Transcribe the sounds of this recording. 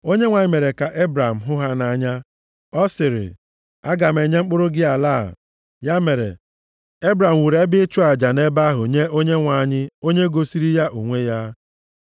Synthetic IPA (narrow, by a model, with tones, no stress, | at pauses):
o˦ɲe˦ŋʷa˨ɲɪ˦me˨ɾe˨ka˨ʔe˦bɾa˨m̩˨ɦʊ˦ɦa˦na˨ɲa˦ | ɔ˦sɪ˨ɾɪ̰˨ | a˦ɡa˨m̩e˨ɲe˦ŋ͡m̩˦k͡pʊ˦ɾʊ˦ɡɪ˦a˨la̰ː˦˨ | ja˦me˨ɾḛ˨ | e˦bɾa˨m̩˨wu˨ɾe˦bɪ˦t͡ʃu˦a˨d͡ʒa˨ne˦ba˦ɦʊ˨ɲe˦ʔo˦ɲe˦ŋʷa˨˦˨ɲɪ˦o˦ɲe˦ɡo˨si˦ɾi˦ja˦ʔu˨ŋʷe˦ja˦